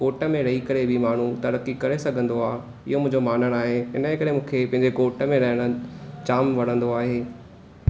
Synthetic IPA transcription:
koːʈə̆mẽɾɐɦikɐɾebɪmaːɳ̤ut̪ɐɾəkikɐɾesɐɡʱə̃nd̪oaː | ɪ̰ɦomʊ̃ɦɪ̃ɲd͡ʑomaːn̤əɽ̃aːɦeɪnəekɐɾemũːkʰepɐ̃ɦɪ̃ɲd͡ʑekoːʈəmẽɾɐɦəɽ̃ə̆t͡ɕaːmʋɐɽ̤ə̃nd̪oaːɦeː

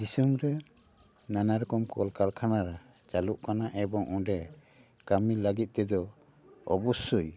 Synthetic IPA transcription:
d͡ʒisumɾɛ | nanaɾɔkɔmkɔlkalkʰanaɾa | t͡ʃaluʔkanaʔɛbɔŋɔ̃ɖɛ | kamilaɡit̪̚ˀt̪ɛd̪ɔ | ɔ̰bɔsuj

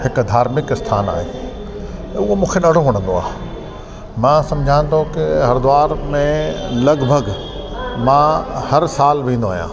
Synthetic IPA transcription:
hɪkd̪ʱaːɾmɪkɪst̪ʰaːna̰ːɦḛː | ʊɦomũːkʰeɗɐɽ̤oɦɐɽ̃ə̃nd̪oa̰ːɦ | mãːsɐ̃md͡ʑʱãnt̪ʰokɪɦɐɾd̪ʊaːɾmẽlɐɡbʱəɡ | mãhɐɾsaːlʋĩːn̆d̪oaːɦjã̰ː

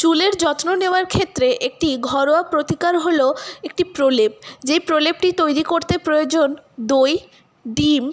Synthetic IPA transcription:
t͡ɕuleɾd͡ʑɔt̪noneoaɾkʰet̪ːɾeʔek̚ʈiɡʱɔɾoapɾot̪ikaɾɦoloek̚ʈipɾolep̚d͡ʑejpɾolep̚ʈit̪ojɾikoɾt̪epɾojod͡ʑond̪oj | ɖim

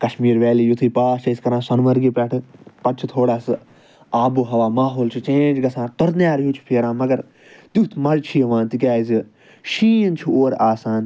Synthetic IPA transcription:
kɐʃmiːɾʋɛːliːjut̪ʰiːpaːʃɐiskɐɾãːsɐnʋɐɾɡiːpɛʈʰɨpɐt͡ʃʰit̪ʰoːɽaːsɨ | aːbuːɦɐʋaːmaːɦoːlt͡ʃʰut͡ʃẽːnd͡ʒɡɐsʰãːt̪ɐɾnjaːɾjĩːt͡ʃʰu̥pʰeːɾãːmɐɡɐɾ | t̪ut̪ʰmɐlt͡ʃʰiːɐʋãːnt̪ikʲjaːizi | ʃiːɐnt͡ʃʰuoːɾaːsaːn

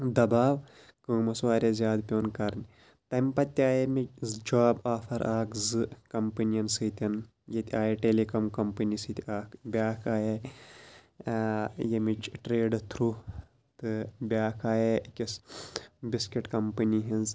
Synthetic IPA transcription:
d̪ɐbaːʋ | kɨːmɐsʋaːɾʲɐzʲjaːd̪pʲoːnkɐɾnʲ | t̪ɐmpɐt̪ʲːaːjemizd͡ʒaːbaːfʰɐɾʔaːkzɨkɐmpɐnijɐnsɨt̪ʲɐn | jɐt̪ʲaːjeʈelekɐmkɐmpɐnisɨt̪ʲaːkbʲaːkʰaːje | jɐmit͡ʃʈɾeːɖɨt̪ʰɾu | t̪ɨbʲaːkʰaːjekʲis | biskiʈkɐmpɐniɦinz

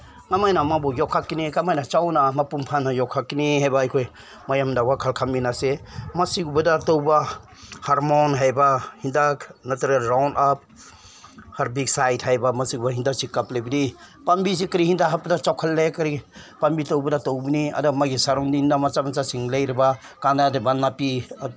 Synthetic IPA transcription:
ŋamajnamabɔjɔkʰakːinikamajnat͡ʃawnamapumpʰanɐjɔkʰakːiniɦajbaːjkʰoj | majamdawakʰalkʰaminasemɐsiɡubɐdatowba | haɾmonɦajbahindaknɐtuɾelɾawnap̚ | haɾbik̚sajthajbamɐsiɡubaɦindak̚sikaplajbidi | pambis̬ikɐɾihindaɦapɐdat͡ʃawkʰalːekɐɾipambitowbɐdatowbiniɐ̰dumaɡisaɾɔŋdindamat͡ʃamat͡ʃasiŋlɐjɾibakandadebanːapi

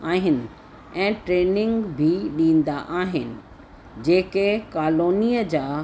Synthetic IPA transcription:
aːɦɪnɪ̆ | ɛ̃ːʈɾeːnɪ̃ŋɡbʱiɗĩːn̆d̪aʔaːɦɪnɪ̆ | d͡ʑeːkekaːloːnijəd͡ʑaː

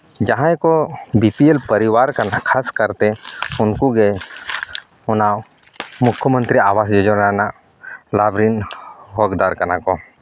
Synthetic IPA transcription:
d͡ʒɐɦãekobipielpəɾɪʋaːɾkɐnakʰaːskəɾt̪eʊnkuɡe | ʊnã | mʊkʰjəmə̃nt̪ɾiaːʋaːsd͡ʒod͡ʒoɾana | laːbɾinɦoːɡd̪aːɾkɐnako

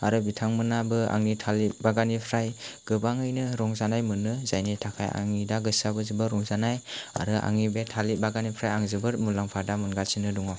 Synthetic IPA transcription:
aɾɯbitʰaŋmɯnabɯa̰ŋnitʰalibaɡanipʰɾajɡ̥ɯbaŋɯjnɯɾɔŋzanajmɯnːɯzajnajtʰakʰaja̰ŋidaɡɯsabɯzɯbɯɾɔŋzanaja̰ɾɯʔa̰ŋibetʰalibaɡanipʰɾajaŋzɯbɯɾmulaŋpʰadamɯnɡasinɯduŋɔ

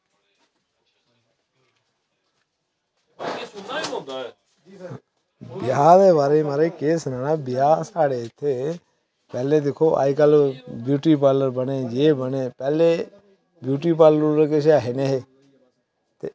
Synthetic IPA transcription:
bɪjaːd̪eːbaːɾemaːɾekeːsnaːnaːbɪjaːsaːɽeːt̪ʰeː | pɛːleːd̪ekʰoːʔa̰ːikaːlobjuːʈiːpaːləɾbəneːjeːbəneːpɛːleː | bjuːʈ̬iːpaːlɾũɾəkeːʃ̬jaːɦeneːɦeː | t̪e

